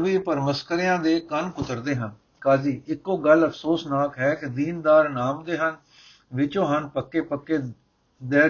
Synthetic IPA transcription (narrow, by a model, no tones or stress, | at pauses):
ʋiːpəɾməskəɾjãːd̪eːkənkʊt̪əɾd̪eːɦən | kaːd͡ʒiːɪkːoːɡələpʰsoːsnaːkɦɛːkɪd̪iːnd̪aːɾnaːmd̪eːɦən | ʋɪt͡ʃõːɦənpəkːeːpəkːeː | d̪ɛː